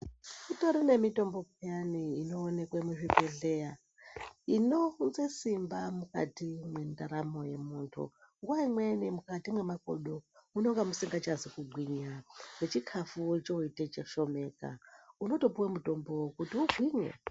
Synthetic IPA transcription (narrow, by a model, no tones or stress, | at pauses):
mutoɾene̞mito̞mbo̞kjaniːno̞ːne̞kwemuʐipeɮe̞ja | ino̞nzesimbamuka̰timwe̞ndaɾamo̞je̞muːntʰṵ | ŋɡwaimwenimukatimwe̞mako̰ɗouno̞ŋɡamusiŋɡat͡ʃazikuɡʱwiɲane̞t͡ʃikʰafut͡ʃouitet͡ʃeʃo̞me̞ːka̰uno̞to̞puwemuto̞mbo̞kutiuvʱwiɲḛ